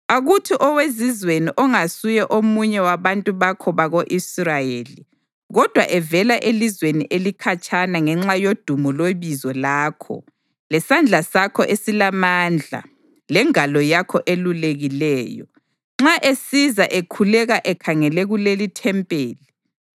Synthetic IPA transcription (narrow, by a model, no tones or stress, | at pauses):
aɣutʰiʔɔwezizweniʔɔŋasujɛʔomuɲɛwaβantʼuβakʰɔβaɣoʔisrajeːli | ɣɔd̥ʱwa̰ʔɛvɛlaʔelizweniʔelikʰat͡ʃʰʼanaŋɛŋ͡ǁajod̥ʱumɔleβizɔlaːkʰɔ̰ | lɛsand͡ɮʱasakʰɔ̰ʔesilamaːnd͡ɮʱa̰ | lɛŋalɔjakʰɔʔeluleɣilɛːjɔ̰ | ŋ͡ǁaʔesizaʔekʰulɛɣaʔɛkʰaŋɛlɛɣulelitʰɛmpʼeːli